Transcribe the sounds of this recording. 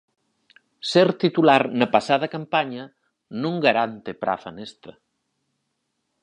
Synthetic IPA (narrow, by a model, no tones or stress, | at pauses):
seɾt̪it̪ulaɾnɐpasað̞ɐkampaɲɐ | nũŋɡaɾant̪epɾʔa̰fa̰nest̪ɐ